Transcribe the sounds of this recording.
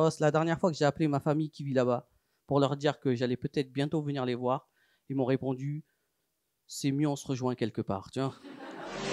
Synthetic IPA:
ɔsɛlad̪ɛʁnjɛʁfwakəʒeaplemafamijkʲivilaba | puʁlœʁd̪iʁkəʒalɛpøt̪ɛt̪χbjɛ̃t̪ovəniʁlevwaːʁ | emɔ̃ʁepɔ̃d̪y | sɛmjøɔ̃səʁəʒwɛ̃kʲɛlkəpa̰ːʁt̪ya

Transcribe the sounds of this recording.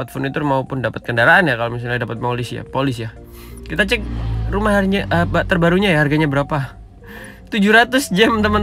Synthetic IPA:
t̪fɔnit̪umaupʊndapat̪̚kəndaɾaanjakalomis̬aadapat̪̚polɪsja̰polɪsja | kit̪at͡ʃɛk̚rumaɦaɾiɲaʔəbat̪ərbaɾuɲajaharɡaɲabəɾapa | t̪ud͡ʒuɾat̪ʊsd͡ʒamt̪əmən

